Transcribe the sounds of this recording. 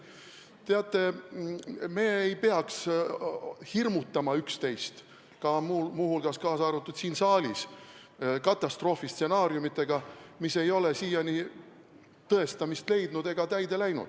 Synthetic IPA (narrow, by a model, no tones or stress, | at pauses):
t̪eɑt̪ːˑe̞ | me̞ːejpeɑks | hirmut̪ˑːɑmɑykst̪e̞jst̪ | kɑmumuhulɡ̥ɑskɑːsɑɾut̪ːˑud̪̥siːnsɑːlʲis | kɑt̪ːˑɑst̪ro̞ːfist̪se̞nɑːɾjumit̪ːˑe̞ɡ̥ɑmise̞jo̞lesiːjɑni | t̪ɤe̞st̪ɑmist̪le̞jd̪̥nud̪e̞ɡ̥ɑt̪æjd̪e̞læjnṵd̪̥